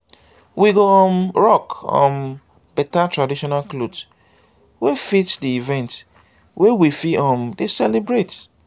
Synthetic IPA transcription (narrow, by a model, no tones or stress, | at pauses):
wiɡoɔmɹɔkɔ̰̃m | bɛtatɹadiʃɔnalklobs | wefitdiivɛ̃nt | wʔewifiɔ̃mdesɛlibɹet